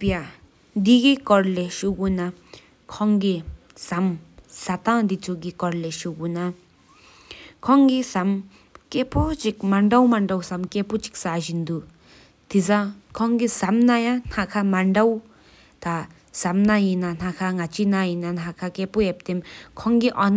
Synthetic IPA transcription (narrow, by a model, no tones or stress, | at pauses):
pija | d̪iɡikɔɾleʃuɡuna | kʰɔŋɡi | samsat̪ãd̪it͡suɡikɔɾleʃuɡuna | kʰɔŋɡisam | keput͡ʃikmaɳɖawmaɳɖawsamkeput͡ʃi̥ksaʒind̪u | t̪izãkʰɔŋɡisamnajãnakʰamaɳɖaw | t̪a | samnajinanakʰaŋat͡ʃinajinanakʰakepuep̚t̪emkʰɔŋɡiʔɔn